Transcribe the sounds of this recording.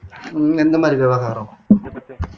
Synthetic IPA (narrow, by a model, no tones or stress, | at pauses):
end̪ɐmaːɾiʋjeʋɐɣaːrɐ